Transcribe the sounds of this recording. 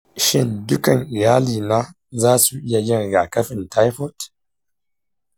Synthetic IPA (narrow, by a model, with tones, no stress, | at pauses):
ʃɪ˦ndʊ˦kɐ˨ŋʔɪ˨jaː˦liː˨naː˦ | zaː˦su˨ʔɪ˦ja˨jɪ˦ŋɡaː˨kɐ˦ɸɪ˨nta˦jɸɔ˦˨t